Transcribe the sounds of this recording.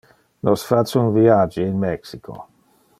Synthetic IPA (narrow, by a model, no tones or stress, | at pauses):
nʔosfat͡ʃunviad͡ʒiːnmɛksikʰo̰